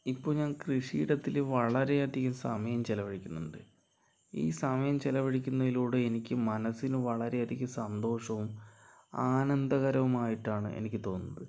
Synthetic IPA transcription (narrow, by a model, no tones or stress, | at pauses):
ipːoːɲaːnkrɨʂḭːɽɐt̪ːilʋɐɭɐɾe̞ɐd̪ikʲːumsɐmɐjɐmt͡ɕelɐʋɐɻikʲːunːuɳɖɨ | ḭːsɐmɐjɐmt͡ɕelɐʋɐɽikʲːunːɐðiluːɽeenikʲːɨmɐnɐsːinɨʋɐɭɐɾe̞jɐd̪ikʲːumsɐnd̪o̞ːʂɐʋum | aːnɐnd̪ɐɣɐɾɐʋumaːjiʈːaːɳɨ̰ḛnikʲːɨt̪o̞ːnːɐðɨ